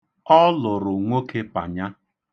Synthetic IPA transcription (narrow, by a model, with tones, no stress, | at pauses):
ɔ˦lʊ˨ɾʊ˨ŋʷo˦ke˦pa˨ɲa˦